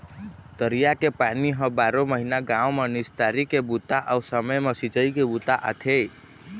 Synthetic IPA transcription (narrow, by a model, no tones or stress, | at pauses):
t̪əɾijakepaniɦəbaːɾoməɦinaɡãomenɪst̪aɾikebut̪aʔawsəməjməsit͡ʃəikebut̪aʔə̰t̪ʰej